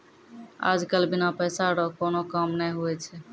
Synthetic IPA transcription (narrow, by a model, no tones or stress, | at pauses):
a̰d͡ʒkəlbinapəjsaɾɔkonokəmnɛjɦoɛt͡ʃʰɛ